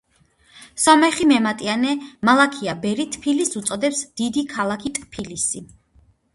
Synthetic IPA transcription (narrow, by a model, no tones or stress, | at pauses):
sɔmɛχimɛmat̪ʼianɛmalˠakʰiabɛɾit̪ʰpʰilisut̪sʼɔd̪ɛpsd̪̥id̪ikʰalˠakʰit̪ʼpʰilisi